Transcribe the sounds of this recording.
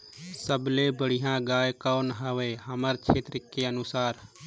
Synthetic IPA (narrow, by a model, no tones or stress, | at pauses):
səbleːbəɽɪɦãːɡaːjkaːnɦəʋeːɦəməɾt͡ʃʰeːt̪ɾɪkːeənʊsaːɾ